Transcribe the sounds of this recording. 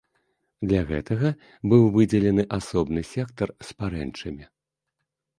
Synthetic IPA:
d̪lʲaɣɛ̰t̪ɐɣɐ | bɨwvɨd͡zʲɛlʲɛnɨʔasɔbnɨsʲɛkt̪ɐrspaɾɛ̰nt͡ʂɐmʲi

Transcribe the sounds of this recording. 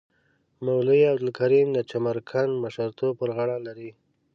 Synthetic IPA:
mawləjawd̪ɪlkaɾimd̪ət͡ʃamaɾkʰanmaʃaɾt̪opəɾɣaɽalaɾi

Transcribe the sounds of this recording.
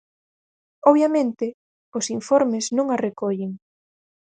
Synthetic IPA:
ɔβjamẽnt̪ɪ | ʊsiɱfɔɾmɪznõŋarekɔʎeŋ

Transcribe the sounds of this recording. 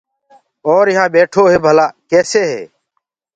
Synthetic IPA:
oːɾɪɦãːɓeːʈʰoːɦeːbʱəlaːkeːseːɦḛː

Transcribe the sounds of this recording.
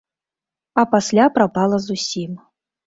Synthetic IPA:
apasʲlʲapɾapalˠəzusʲim

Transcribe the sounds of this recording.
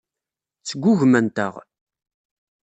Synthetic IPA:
t͡sːəɡʷːʊʝmænt̪ə̰ʁ

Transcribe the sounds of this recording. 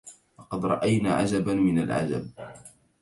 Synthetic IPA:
lɑqɑd̪ɾˤɑʔajnaːʕad͡ʒabamɪnalʕa̰d͡ʒa̰b̚

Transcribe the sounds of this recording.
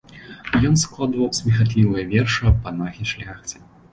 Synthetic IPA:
jɔnsklˠad̪vɐwsʲmʲɛxat̪̬ʲlʲivɨjɐvʲɛrʂɨɐpanaɣʲiʂlʲaxt͡sʲi̥

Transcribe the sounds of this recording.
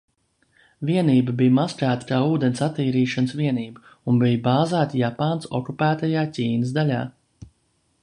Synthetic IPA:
viɛniːbəbijmaskɾæːt̪kaːuːd̪ɛnsat̪ːiːɾiːʃansviɛniːbə | unbijbaːzæːt̪japaːnsɔ̰kupæːt̪ajaːcʲiːnəs̬d̪alʲa̰ː

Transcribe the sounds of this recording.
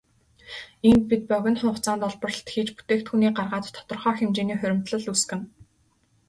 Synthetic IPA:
int̪̚pit̪̚pœɣʲɪ̆nχʊ̃ɴχt͡saːnt̪ɔɮpɞ̆rə̆ɬt̪xiːt͡ɕput̪eːkt̪xuniːɢarʁaːt̪t̪ʰːɔ̥t̪ɞ̆rχœːxemt͡ɕeːniːχœɾʲɪ̆m̥t̪ɮɞ̆ɮuskɘ̆n

